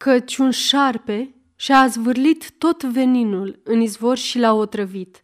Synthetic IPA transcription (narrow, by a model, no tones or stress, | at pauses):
kət͡ʃʲunʃarpe̞ | ʃazvɨrlit̪ːo̞t̪ve̞ninulɨnizvo̞rʲʃilaot̪ɾəvit̪